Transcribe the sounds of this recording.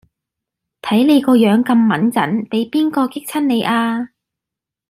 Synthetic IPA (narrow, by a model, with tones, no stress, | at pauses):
t̪ʰɐ˨˥jle˨˧jkɔː˧jœː˨˥ŋkɐ˧mːɐ˨˥nt͡sɐ̰˨˥npe˨˥jpiː˥nkɔː˧kɪ˥k̚t͡sʰɐ˥nne˨˧jʔaː˧